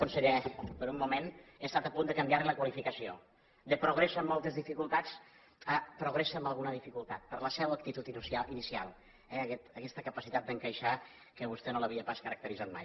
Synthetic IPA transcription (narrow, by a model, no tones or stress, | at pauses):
kunsəʎɛpəɾummːumenest̪at̪əpund̪əkəmbjaɾliləkwəlifikəsio | d̪əpɾuɣ̞ɾesəːmːɔlˠt̪əzðifikulˠt̪at͡s | əpɾuɣ̞ɾesəːmbəlˠɣunəðifikulˠt̪at̪̚pəɾləsɛwək̚t̪it̪ut̪insainisia̰lˠ | ɛəkɛt̪əkɛst̪əkəpəsit̪at̪̚d̪əŋkəjʃa | kəβust̪ɛnoləβiəpaskəɾək̚t̪əɾizat̪̚ma̰j